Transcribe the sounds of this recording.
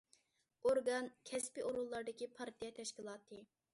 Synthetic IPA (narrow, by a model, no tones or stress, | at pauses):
oɾɡɑnkʲʰɛspiʔoɾulˠːɑɾd̪ɨkʲipʰɑɾt̪ʰijɛt̪ʰɛʃkʲilˠɑːt̪ʰɨ